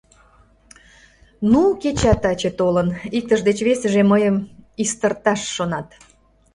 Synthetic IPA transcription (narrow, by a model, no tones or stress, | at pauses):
nuket͡ɕɑt̪ɑt͡ɕet̪olənik̚t̪əʒd̪et͡ɕβesəʒeməjəmist̪ərt̪ɑʃːonɑt̪